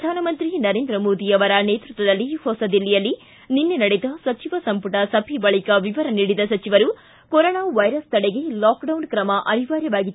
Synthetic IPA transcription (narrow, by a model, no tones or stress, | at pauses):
d̪ʱaːnɐmɐnt̪ɾinɐɾe̞ːnd̪ɾɐmoːd̪iɐʋɐɾɐneːt̪ɾut̪ʋɐd̪ɐlːihɔsɐd̪ilːijɐlːi | ninːenɐɽed̪ɐsɐt͡ʃiʋɐsɐmpuʈɐsɐbʰʱibɐɭikɐʋiʋɐɾɐniːɽid̪ɐsɐt͡ʃiʋɐɾu | koɾoːnaːʋɐjɾɐst̪ɐɽeɡe̞laːkɖɐwnkɾɐmɐʔɐniʋaːɾjɐʋaːɡit̪ː